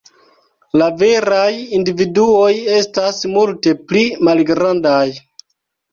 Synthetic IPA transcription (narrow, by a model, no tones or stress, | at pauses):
lave̞ɾajindividuo̞je̞stasmulte̞plimalɡɾandaj